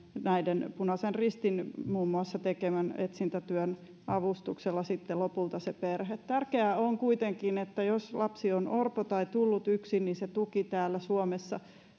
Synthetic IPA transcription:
næidenpunɑsenrist̪inmuːmːuɑsːɑt̪ekemænet̪sint̪æt̪yøn | ɑʋust̪ukselːɑsit̪ːelopult̪ɑseperhet̪t̪ærkeæoŋkuit̪eŋkinet̪ːæjoslɑpsionʔorpot̪ɑit̪ulːut̪yksinninset̪ukit̪æːlːæsuomesːɑ̰

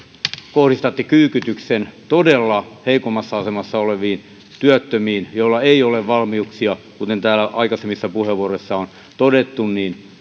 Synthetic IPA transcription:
kohrist̪ɑt̪ːikyːkyt̪yksent̪odelːɑheikomːɑsːɑɑsemɑsːɑoleʋiːn | t̪yæt̪ːømiːnjoilːɑeioleʋʋɑlmiuksiɑkut̪ent̪æːlæʔɑikɑsemːisːɑpuheʋuoroisːɑon | t̪odet̪ːunniːn

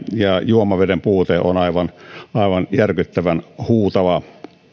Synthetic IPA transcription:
jɑjuomɑʋedempuːt̪eːonɑiʋɑnɑˑiʋɑnjærkyt̪ːæʋænhuːt̪ɑʋɑ

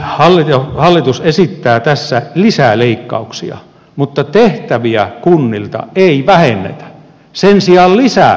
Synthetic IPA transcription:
hɑlːit̪ɑhɑlːit̪usesit̪ːæːt̪æsːælisæleikːɑ̰uksiɑ̰ | mut̪ːɑt̪eht̪æʋiækunːilt̪ɑ̰eiʋæhenːḛt̪æ̥ | sensiɑllisæ̰

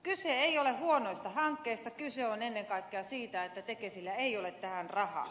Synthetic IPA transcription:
kyseeiolehuonoist̪ɑhɑŋkːeːst̪ɑkyseonenːeŋkɑikːeɑsiːt̪æet̪ːæt̪ekesilːæeiolet̪t̪æhænrɑhɑ̰ː

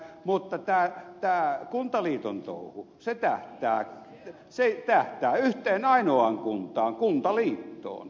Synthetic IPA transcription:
mut̪ːɑt̪æːt̪æːkunt̪ɑliːt̪ont̪o̰ˑuhu | set̪æht̪æː | set̪æht̪æːyht̪ˑeːnɑinoɑŋkunt̪ˑɑːŋkunt̪ɑliːt̪ːo̰ːn

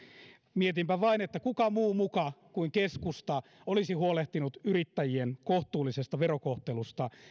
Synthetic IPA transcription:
miet̪impæʋɑinet̪ːækukɑmuːmukɑkuiŋkeskust̪ɑ | olisihuoleht̪inut̪yrit̪ːæjienkoht̪uːlːˑisest̪ɑʋerokoht̪elust̪ɑ

